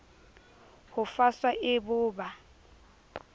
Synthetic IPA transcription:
hʊfaswaʔɪbʊːba

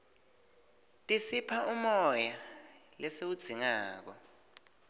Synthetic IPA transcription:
tʼisipʰaʔumɔjalɛsewud̥z̥ʱiŋaːk̬ɔ

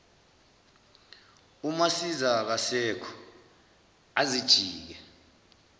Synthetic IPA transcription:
umasizak̬asɛkʰɔ̥ | azid̥ʒ̥ʱiːk̬ɛ

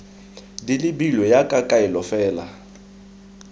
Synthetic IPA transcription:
dilɪbilɔjakʼakʼaɪlɔfɛːla̰

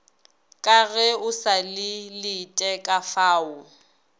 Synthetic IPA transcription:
kʼaɣɛʊsalɪlɪtʼɛkʼafaːʊ

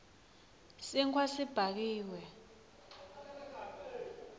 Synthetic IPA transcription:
siŋkʰʼwasib̥ʱak̬iːwɛ

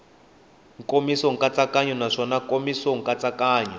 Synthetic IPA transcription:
ŋkomisɔŋ̩kat͡sakaɲɔnaʂɔnakomisɔŋ̩kʼat͡sʼakaːɲɔ

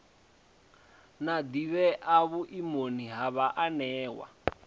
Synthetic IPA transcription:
nad̪iβɛʔaβuʔimoniɦaβaʔanɛːwa̰

